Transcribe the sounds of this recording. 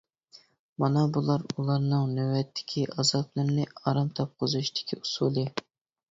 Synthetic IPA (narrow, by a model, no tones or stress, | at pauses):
mɑnɑbulˠɑɾulˠɑɾnɨŋnywɛt̪ʰːɪ̥kʲʰiʔɑzɑblˠɨɾnɪɑɾɑmt̪ʰɑp̚qʰəzuʃd̪ɪ̥kʲʰiusulˠɨ